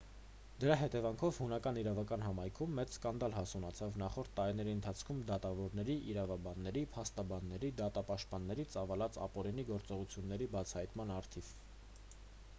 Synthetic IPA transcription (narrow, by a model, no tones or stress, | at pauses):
d̪əɾɑɦɛt̪ɛvɑŋkʰɔvhunɑkɑniɾɑvɑkɑnɦɑmɑjkʰumːɛt͡sskɑnd̪ɑlɦɑsunɑt͡sʰɑvnɑχɔɾt̪ʰːɑɾin̪ɛɾiənt̪ʰɑt͡sʰkʰumd̪ɑt̪ɑvɔɾnɛɾiʔiɾɑvɑbɑnːɛɾipʰɑst̪ɑbɑnːɛɾid̪ɑt̪ɑpɑʃt̪̚pɑnːɛɾit͡sɑvɑlɑt͡sɑ̰pɔɾiniɡɔɾt͡sɔʁut͡sʰjunːɛɾibɑt͡sʰɑhɑjt̪mɑnɑɾt̪ʰiv